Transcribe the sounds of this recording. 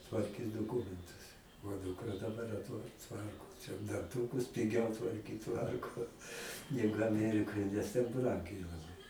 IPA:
tʋɐrʲˈkʲiːs doːˈkʊmʲɛntʊs oː ˈduːkrɐ dɐˈbɐr ɐtˈʋɐ ˈtʋɐrkoː t͡ʃʲɛ dɐnˈtuːkʊs pʲɪˈɡʲɛʊ tʋɐrʲˈkʲiːt ˈtʋɐrkoː nʲɛɡʊ ɐˈmʲæːrʲɪkoːj nʲɛs tʲɛn ˈbrɐŋʲɡʲɛɪ lˠɐˈbɐɪ

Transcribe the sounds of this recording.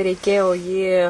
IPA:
rʲɛɪˈkʲeːjoː jiː

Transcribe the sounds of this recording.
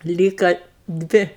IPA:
ˈlʲiːkɐ ˈdʲʋʲɪ

